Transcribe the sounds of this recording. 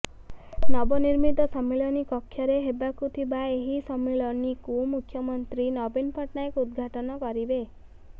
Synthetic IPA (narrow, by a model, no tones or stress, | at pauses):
nɔbɔniɾmit̪ɔsɔmːelɔnikɔkʰːjɔɾeɦebakut̪ʰibaeɦisɔmːelɔnikumukʰːjɔmɔnt̪ɾinɔbinpʰɔʈnaekud̪ɡʱaʈɔnɔkɔɾibe